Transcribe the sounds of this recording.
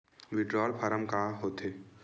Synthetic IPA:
ʋɪʈɾɔːlpʰɐɾəmkaɦot̪ʰeː

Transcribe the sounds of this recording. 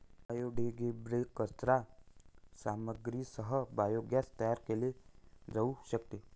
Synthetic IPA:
ajoɖeɡebɾekːətɾa | saməɡɾisəɦəbajoɡjast̪əjaɾkeled͡zauɕəkt̪e

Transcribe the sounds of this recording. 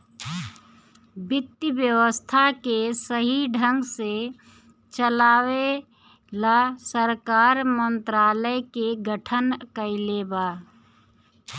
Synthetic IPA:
bɪt̪ːibjəwəst̪ʰakesəɦiɖʱə̃ŋɡse | t͡ʃəlaːwe | lasəɾkaːɾmə̃nt̪ɾaːləjkeɡəʈʰənkəilebaː

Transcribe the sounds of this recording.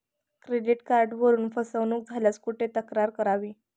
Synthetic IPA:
kɾeɖiʈkaɾɖʋəɾuːnfəsəʋnuːk̚d͡zʱaljat͡skuʈʰet̪əkɾaɾkəɾaʋiː

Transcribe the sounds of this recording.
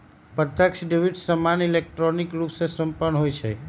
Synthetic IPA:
pəɾt̪jəkʃɖeʋiʈsəmanilek̚ʈɾɔnikɾupsesəmpənɦojt͡ʃʰḛ

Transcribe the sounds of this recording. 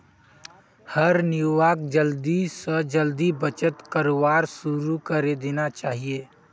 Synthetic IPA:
həɾnɪjuʋaːk̚d͡ʒəld̪isəd͡ʒəld̪ibət͡ʃət̪kəɾoʋaːɾsʊɾukəɾed̪eːnat͡ʃaːɦieː

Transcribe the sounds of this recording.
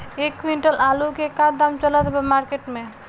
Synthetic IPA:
ekwiɳʈelʔalukekaɾd̪amt͡ɕɔlad̪ebemaɾkeʈme

